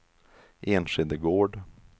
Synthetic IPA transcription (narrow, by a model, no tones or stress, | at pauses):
ʔeːnʂɪd̪əɡoːɖ